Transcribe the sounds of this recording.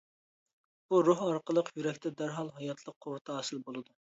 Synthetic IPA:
b̥uɾoɦɑɾqəlˠəqʰjyɾɛkʲt̪ʰɛd̪æɾɦɑlˠɦɑjɑt̪ʰlˠəqʰːoɾt̪ʰɑɑsɨlbolˠɨd̪u

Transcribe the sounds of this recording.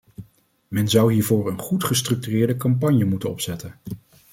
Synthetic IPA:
mɛnzɑwɦiːɹvʊːɹənχutχəstrɵk̚tyrɪːɹdəkɑmpɑɲjəmutənɔpsɛtən

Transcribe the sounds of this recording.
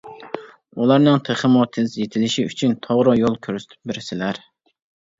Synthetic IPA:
ulˠɑɾnɨŋt̪ʰeχəmot̪ʰezjet̪ʰɪlɪʃiyt͡ʃʰynt̪ʰoʁɾɨjolˠkʲʰøɾse̥t̪ʰɪ̥p̚beɾsɪlæɾ

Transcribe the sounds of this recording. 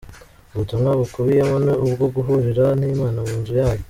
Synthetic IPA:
βutumŋaβukuβijamoneubɡoɡuɦuɾiɾan̥iːmaːnaβuːnzujaːjo

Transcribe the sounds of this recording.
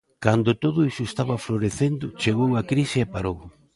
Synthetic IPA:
kand̪ʊt̪oðʊisʊest̪aβɐfloɾeθend̪ʊt͡ʃeɣowakɾisɪepaɾow

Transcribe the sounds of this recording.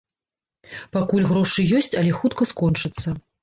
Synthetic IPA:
pakulʲɣɾɔʂɨjɔsʲt͡sʲɐlʲɛxut̪kɐskɔnt͡ʂɨt̪sːɐ

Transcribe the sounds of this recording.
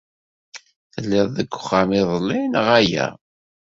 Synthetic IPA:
θəlːɪðˤðəɡʷːʊ̥χamiðˤlːinəʁæjæ̰

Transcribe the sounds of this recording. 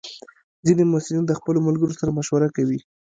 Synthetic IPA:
zinemasɪlind̪əxpəlomalɡəɾosaɾamaʃwaɾakawi

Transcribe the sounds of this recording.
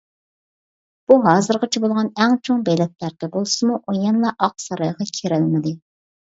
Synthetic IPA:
b̥uɦɑːzɨɾʁɑt͡ʃʰɛbolˠʁɑnɛŋt͡ʃʰoŋbɛjlɛt̪̚læɾkʲɛbolˠsɨmuʔojɛnlˠɑʔɑq̚sɑɾɑjʁɑkʲʰeɾɪlmɪd̪ɪ

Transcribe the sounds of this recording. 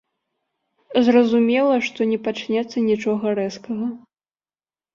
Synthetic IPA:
zrɐzumʲɛlˠɐʂt̪ɔnʲɛpat͡ʂnʲɛt̪sːɐnʲit͡ʂɔɣɐɾɛskɐɣɐ

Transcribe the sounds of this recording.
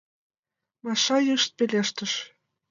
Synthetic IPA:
mɑʃɑjəʃt̪̚peleʃt̪ə̆ʃ

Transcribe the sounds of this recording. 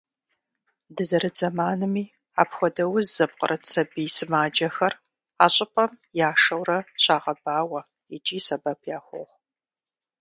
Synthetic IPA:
dɨzɐɾɨd͡zɐmaːnɨmiː | a̰ːpxʷɔdɐwʊzzɐp̚qə̰rʔɐt͡sʰɐbiːsɨmaːd͡ʒɐxɐr | aːɕʼɪpʼɐm | jaːʂɐwɾɐɕʼaːʁɐbaːwɐ | id͡ʒʼiːsɐbɐpʰjaːxʷo̰ʁ

